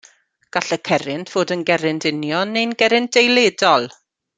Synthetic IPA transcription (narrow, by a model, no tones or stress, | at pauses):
ɡ̥aɬəkʰɛɾɪntʰv̥oːdənɡɛɾɪntʰɪnjɔnːejnɡɛɾɪntd̥ejledɔlˠ